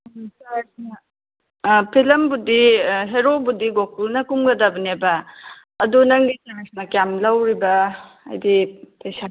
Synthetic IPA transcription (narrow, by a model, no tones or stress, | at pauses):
sasn | pʰilɐmbudiɦeɾobudiɡok̚ulnɐkumɡɐdɐbɐnebɐː | dunɐŋɡitamesnɐkjamlɐwɾibɐ | ɐ̰jdipɐjsa